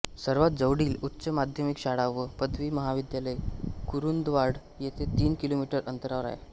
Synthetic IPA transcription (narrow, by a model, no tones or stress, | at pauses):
səɾʋat̪̚d͡zəʋɽiːlut̪ːɕəmad̪ʱjəmikɕaɽaʋːəpəd̪ʋiːməɦaʋid̪jaləjkuɾund̪ʋaɽ | jet̪ʰet̪iːnkilomiʈəɾʔənt̪əɾaʋɾa̰ja̰